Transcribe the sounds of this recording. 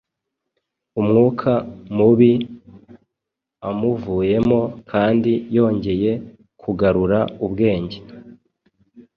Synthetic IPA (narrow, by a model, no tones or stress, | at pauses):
umŋuːkʰamuβi | amuvuːje̞mo̞kʰaːndijo̞ːɲɟe̞je̞ | kʰuɡaɾuɾaubɡe̞ːɲɟe